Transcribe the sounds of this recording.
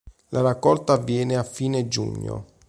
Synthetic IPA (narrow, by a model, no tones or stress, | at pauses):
lʔaɾakːɔlt̪aːvːjɛːneafːiːned͡ʒṵɲːo̰